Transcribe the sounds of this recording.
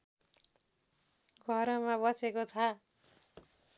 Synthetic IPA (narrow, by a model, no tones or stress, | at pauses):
ɡʱʌɾʌmabʌt͡sekot͡sʰʌ